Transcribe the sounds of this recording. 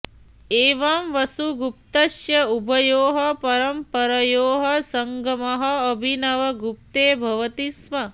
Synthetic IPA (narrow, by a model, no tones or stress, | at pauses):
eːʋɐmʋɐsuɡup̚t̪ɐʃjɐubʱɐjoːɦɐpɐɾɐmpɐɾɐjoːɦɐsɐŋɡɐmɐɦɐːbʱinɐʋɐɡup̚t̪eːbʱɐʋɐt̪ismɐ